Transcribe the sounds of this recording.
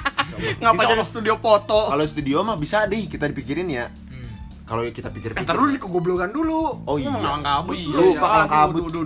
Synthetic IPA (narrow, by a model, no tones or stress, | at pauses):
ŋaad͡ʒaɾist̪udiopot̪ɔkalost̪udiomabisadɛkit̪adipikiɾɪnja | kalokit̪apikɪrpit̪əɾunnikəɡabloɡanduluoiakalaŋkabulupakalaŋkabu